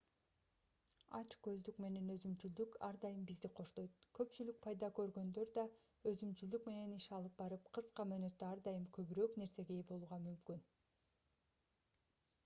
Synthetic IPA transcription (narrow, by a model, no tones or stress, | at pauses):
ɑ̰t͡ʃkø̞zd̪ykme̞ne̞nø̞zymt͡ʃyld̪ykʰɑ̰ɾd̪ɑjɯmbizd̪iqʰo̞ʃt̪o̞jt̪̚kø̞pt͡ʃylyk̚pʰɑjd̪ɑkø̞ɾɡø̞nd̪ø̞ɾd̪ɑ | øzymt͡ʃyld̪ykme̞ne̞niʃɑlˠɯp̚bɑɾɯpqʰɯsqɑmøːnø̞t̪ːøɑɾd̪ɑjɯmkʰø̞βyɾøːkne̞ɾse̞ɡebo̞lˠuʁɑmymkyn